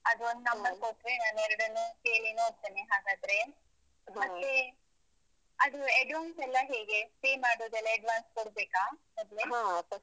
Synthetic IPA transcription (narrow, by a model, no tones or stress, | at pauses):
ɐd̪uond̪nɐmːɐkoʈːɾenaːnɛɾɐɽɐnːukeːɭinuɦoːɡ̚t̪eːneɦaːɡaːd̪ɾe̞ | mɐt̪ːe | ɐd̪ueɖʋaːnsɛlːɐɦeːɡe̞peːmaːɽoːd̪ɛlːɐɐɖʋaːnskoɽbeːkaːmɐd̪leɦaɐ